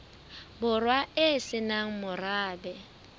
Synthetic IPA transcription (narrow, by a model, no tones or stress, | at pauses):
bʊrwaɪsɪnaŋ̩mʊraːbɛ